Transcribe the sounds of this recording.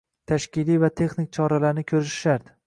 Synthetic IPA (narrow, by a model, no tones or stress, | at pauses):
t̪ʰaʃkʲɪlijvat̪ʰe̞χnik̚ʲt͡ʃʰɒɾalaɾnɪkʲʰɵɾɪʃɪ̥ʃaɾd̪ɪ